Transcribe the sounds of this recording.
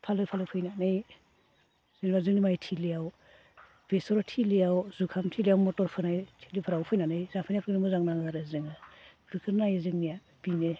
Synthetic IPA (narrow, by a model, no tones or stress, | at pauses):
pʰalɯk̚pʰalɯpʰɯjnanɯj | z̥ɯŋnibazɯŋnimajtʰilijaw | b̥esɔɾɔtʰilijawzukʰamtʰilijawmɔtɔɾpʰɯnajtʰe̥lipʰɯɾawpʰɯjnanɯjzapʰɯjnijapʰɯnimɔzaŋnaŋaɾɯzɯŋɯbʰɾɯkʰɯɾnajzɯŋnija | b̥ine